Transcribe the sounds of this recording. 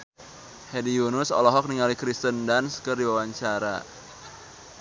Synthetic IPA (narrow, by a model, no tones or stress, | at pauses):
hɛdiunʊsɔ̰lɔɦɔk̚niŋalikɾist̪əndanskɨrdiwawaɲt͡ʃaɾa̰